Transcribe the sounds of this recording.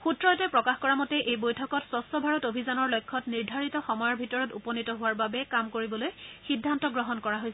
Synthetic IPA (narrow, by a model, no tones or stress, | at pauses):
xutɹɔtɛpɹɔkaxkɔɹamɔtɛʔejbojtʰɔkɔtsɔstɔbʱaɹɔtobʱizanɔɹlojkʰːɔtniɹdʱaɹitɔxɔmɔjɔɹbʱitɔɹɔtupɔnitɔɦʊwaɹbabɛkamkoɹibɔlojxidʱːantɔɡɹɔɦɔnkɔɹaɦojsɛ